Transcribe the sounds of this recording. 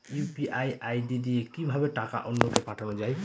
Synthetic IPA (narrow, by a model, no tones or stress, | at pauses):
jupiʔajajdidiekibʱabeʈaka̰ʔɔnːɔt̪ɔpaʈʰanɔd͡ʒaj